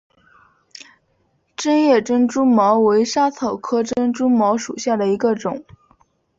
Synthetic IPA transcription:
ʈ͡ʂə˥njɛ˥˩ʈ͡ʂə˥nʈ͡ʂu˥mɑ˧˥ʊwe˧˥ɪʂa˥t͡sʰɤ˨˩ʊkʰɤ˥ʈ͡ʂə˥nʈ͡ʂu˥mɑ˧˥ʊʂu˨˩ɕja˥˩d̪ə˩i˧˥ɡə˧ʈ͡ʂʊ˨˩˦ŋ

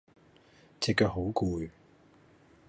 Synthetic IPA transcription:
t͡sɛ˨˧kːœː˧ɦo˨˥wkuː˨˧j

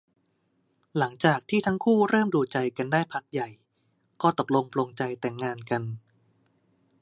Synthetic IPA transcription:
la˩˦ŋt͡ɕaː˨˩k̚t̪ʰiː˥˩t̪ʰa˦˥ŋkʰuː˥˩ɾɤː˥˩mduː˧t͡ɕa˧jka˧ndaː˥˩jpʰa˦˥k̚ja˨˩j | kɔː˥˩t̪o˨˩k̚lo˧ŋpʰlo˧ŋt͡ɕa˧jt̪ɛː˨˩ŋːaː˧nka˧n

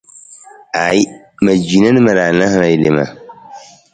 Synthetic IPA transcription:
a˨˦ | ma˨d͡ʒi˨na˦nɨ˦ma˨ɾa˨na˦hɾa˨ji˦le˨ma̰˨

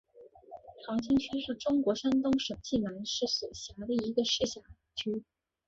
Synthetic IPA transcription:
ʈ͡ʂʰɑ˧˥ŋt͡ɕʰi˥ŋt͡ɕʰy˥ʂ̩˥˩ʈ͡ʂʊ˥ŋkwɔ˧˥ʂa˥nt̪ʊ˥ŋʂɤ˨˩ŋt͡ɕi˥˩na˧˥nʂɻ̩˥˩swɔ˨˩ɕja˧˥d̪ə˧i˧˥ɡə˧ʂɻ̩˥˩ɕja˧˨˥ | t͡ɕʰy˥

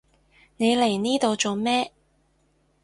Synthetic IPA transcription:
ne˨˧jle˨˩jniː˥t̪o˨wt͡so˨˧wmɛː˥

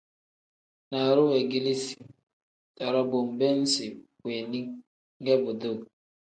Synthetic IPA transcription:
na˨ɾʊ˦we˨ɡi˦li˦si̥˨ | ta˨ɾɔ˦bʊ˨m̩˨be˦n̩˦sɪ˨kʷe˨ni˦ | ɡe˦bʊ˨do˦˨

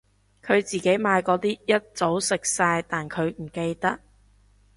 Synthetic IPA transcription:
kʰɵ˨˧ɥt͡siː˨˩ke˨˥jmaː˨˧jkɔː˨˥t̪iː˥jɐ˥t̚t͡so˨˥wsɪ˨k̚saː˧jt̪aː˨nkʰɵ˨˧ɥm̩˨˩ke˧jt̪ɐ˥k̚

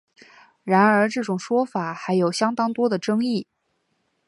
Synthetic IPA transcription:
ɻa˧˥nə˞˧˥ʈ͡ʂɤ˥˩ʈ͡ʂʊ˨˩ŋʂwɔ˥fa˨˩˦xa˧˥ɪjo˨˩ʊɕjɑ˥ŋt̪ɑ˥ŋt̪wɔ˥d̪ə˨ʈ͡ʂɤ˥ŋi˥˩

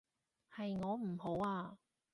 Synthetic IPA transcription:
hɐ˨jŋɔː˨˧m̩˨˩ho˨˥waː˧

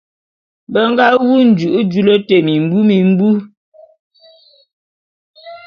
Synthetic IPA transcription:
bə˨˦ŋ̩˦ɡa˦wu˦n̩˨d͡ʒʉ˨ʔu˦d͡ʒu˦˨lə˦te˨mi˨m̩˨˦bu˦mi˨m̩˦bu˦

